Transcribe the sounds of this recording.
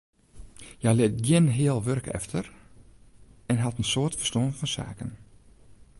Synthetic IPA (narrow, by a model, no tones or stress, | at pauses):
jɛjlɪtɡjɪnɦɪəlˠʋørkʰɛ̰ftʰər | ɛnɦatənsoːətfə̥stoənfɔnsa̰ːkən